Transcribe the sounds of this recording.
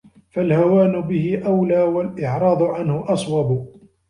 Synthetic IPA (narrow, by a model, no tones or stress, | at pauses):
falhawaːnʊbɪhɪʔawlaːwalʔɪʕɾˤɑːd̪ˤʊʕanhʊʔɑsˤwɑbʊ